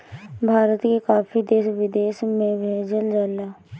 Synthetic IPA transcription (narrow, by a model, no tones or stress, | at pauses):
bʱaːɾət̪kekaːpʰid̪eːʃʋɪd̪eːʃmẽʋeːd͡ʒəld͡ʒaːlaː